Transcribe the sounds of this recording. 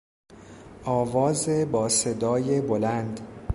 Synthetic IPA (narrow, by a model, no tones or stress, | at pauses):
ʔɒːvɒːzebɒːse̞d̪ɒːje̞bolænd̪